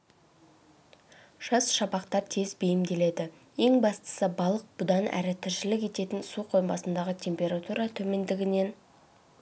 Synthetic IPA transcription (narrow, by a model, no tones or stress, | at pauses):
ʒ̥ɑsʃɑpɑqt̪ɑɾt̪ʰe̞zbejɪmd̪e̞le̞d̪ɪ | je̞ŋbɑst̪ə̥səbɑlˠəq̚b̥ʊd̪ɑnæ̰ɾɪt̪ʰɪɾʃɪlɪkʲe̞t̪e̞t̪ɪnsuqʰo̞jmbɑsənd̪ɑʁət̪ʲʰe̞mpʲe̞ɾat̪uɾɑt̪ʰɵme̞nd̪ɪɡʲɪne̞n